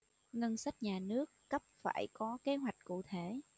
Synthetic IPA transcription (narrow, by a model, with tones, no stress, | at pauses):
ŋə˧nsa˦˥t̚ɲaː˨˩nɨ˦˥əkːə˦˥p̚fa̰ː˧˩jkɔ˨˦ke˨˦ɦwa˨˩jk̟̚kṵ˧˨t̪ʰe˧˩˨